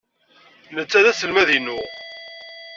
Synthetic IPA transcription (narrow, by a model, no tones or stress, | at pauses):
nət͡sːæðæθəlmæðinu